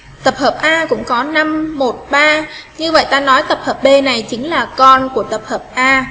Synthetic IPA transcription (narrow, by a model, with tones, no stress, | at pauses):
t̪ə˨˩p̚həː˨˩p̚ʔaː˧kʊ̰˧˥ŋ͡mkɔ˨˦na˧mːo˨˩t̚ɓaː˧ɲɨ˧və̰˧˨jt̪aː˧nɔ˨˦jt̪ə˨˩p̚həː˨˩p̚ɓe˧na˨˩jt͡ɕï˨˦ŋ̟laː˨˩kɔ˧nku˧˩ət̪ə˨˩p̚həː˨˩p̚ʔaː˧